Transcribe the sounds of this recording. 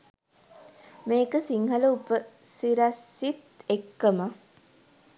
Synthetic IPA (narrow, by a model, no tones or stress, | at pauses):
meːkəsiŋɦɐləupəsiɾasːit̪ekːəmə